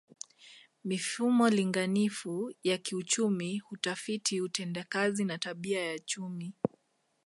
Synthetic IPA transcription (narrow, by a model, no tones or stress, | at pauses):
mifumɔliŋɡanifujakiut͡ʃumihutafitʰiutɛndakazinataɓiajat͡ʃumi